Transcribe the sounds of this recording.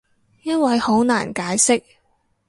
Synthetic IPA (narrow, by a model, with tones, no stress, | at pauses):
jɐ˥t̚wɐ˨jho˨˥wna̰ː˨˩nkaː˨˥jsɪ˥k̚